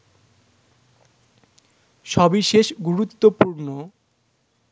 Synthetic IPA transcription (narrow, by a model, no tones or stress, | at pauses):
ʃɔbiʃeʃɡuɾut̪ːopuɾno